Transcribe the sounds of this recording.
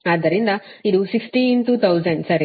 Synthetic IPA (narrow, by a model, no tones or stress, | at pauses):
aːd̪ːɐɾind̪ɐid̪usiksʈinʈuːt̪ʰɐwzɐɳɖsɐɾi